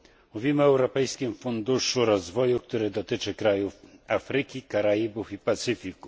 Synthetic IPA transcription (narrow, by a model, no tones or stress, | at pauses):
muvʲimɘɔɛwɾɔpɛjskʲimfund̪uʂuɾɔzvɔjukt̪uɾɘd̪ɔt̪ɘt͡ʂɘkɾajufafɾɘkʲikaɾajibufipat̪sɘfʲiku